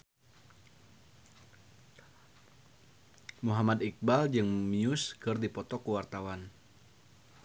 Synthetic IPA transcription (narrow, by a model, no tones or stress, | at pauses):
muɦamad̪ik̚bald͡ʒɨŋmiʊskɨrdipɔt̪ɔkuwart̪awan